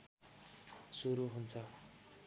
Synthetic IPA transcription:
suɾuɦunt͡sʰʌ

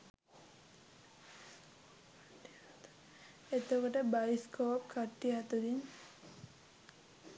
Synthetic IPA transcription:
et̪okoʈəbaiskʰoap̚kʰaʈːiat̪ud̪in

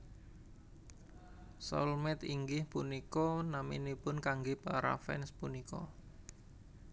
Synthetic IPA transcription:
sɔ̰lmɛt̪iŋɡɪhpunikɔnamḭnipʊnkaŋɡepaɾa̰fɛ̰nspunikɔ̰

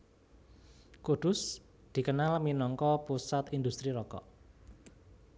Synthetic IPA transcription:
kud̪̥ʊ̤s | d̪̥i̤kənalminɔŋkɔpusat̪ind̪ust̪ɾiɾɔkɔ̰

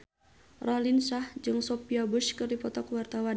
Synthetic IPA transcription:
rɔlinsahd͡ʒɨŋsɔpiabuskɨrdipɔt̪ɔkwart̪awan

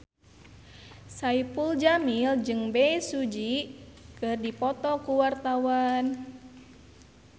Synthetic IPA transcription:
saipuld͡ʒamild͡ʒɨŋbɛisud͡ʒikɨrdipɔt̪ɔkuwart̪awan

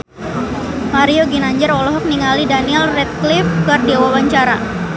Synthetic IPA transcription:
maɾioɡinaɲd͡ʒəɾɔlɔɦɔk̚niŋalidaniɛlrɛt̪̚klifkɨrdiawawaɲt͡ʃaɾa

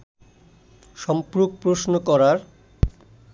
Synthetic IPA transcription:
ʃɔmpɾuk̚pɾosnokɔɾaɾ

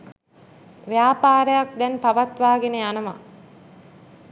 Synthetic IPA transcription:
ʋijaːpaːɾəjak̚d̪ɛnpaʋat̪ʋaːɡeneanəma̰

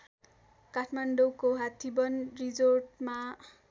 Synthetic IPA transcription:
kaʈʰmaɳɖowkoɦat̪ʰibʌnrid͡zorʈma

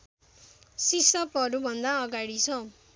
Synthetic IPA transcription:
sisʌpʌɾubʱʌnd̪aʌɡaɽit͡sʰʌ

